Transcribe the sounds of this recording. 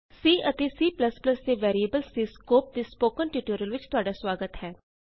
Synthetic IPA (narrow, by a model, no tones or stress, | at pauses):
siːʔət̪eːsiːpləspləsd̪eːʋɛːɾiːəbəlseːskoːp̚d̪eːspoːkənʈiːʈuːɾəlʋɪt͡ʃt̪ʊaːɖaːswaːɡət̪hɛː